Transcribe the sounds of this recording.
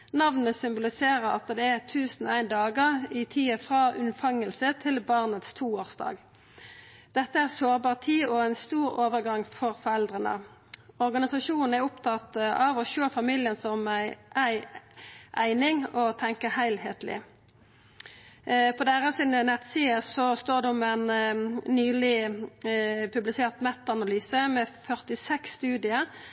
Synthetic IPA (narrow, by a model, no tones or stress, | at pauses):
nɑʋnəsʏmbʊlɪseːɾəɾɑ̰t̪d̪ɛæʁt̪ʰʉːsn̩æɪnd̪ɑːɡəʁɪt̪ʰiːəfʁɑːʔʉnfɑŋəlsət̪ʰɪlbɑʁnət̪st̪ʰuːoːʁsd̪ɑ̰ːɡ | d̪̥ɛt̪ːəæːʁsoːʁbɑːʁt̪ʰiːɔæɪnst̪uːɾoːʋəʁɡɑŋfɔʁfɔʁɛld̪ʁənə̰ | ɔʁɡɑnɪsɑʃuːnn̩æʁʊpt̪ʰɑt̪ɑːʋɔʃøːfɑmiːlɪənsɔmæɪʔæɪ | ʔæɪnɪŋɔt̪ʰɛŋkəhæɪlhḛːt̪lɪ̰ | pʰɔd̪æːʁəsɪnənɛt̪siːəsɔst̪oːʁd̪ɛɔmæɪnː | yːlɪ | pʰʉblɪseːʁt̪mɛt̪ːɑnɑlyːsəmɛfœʁt̪ɪsɛksːt̪ʉːd̪ɪə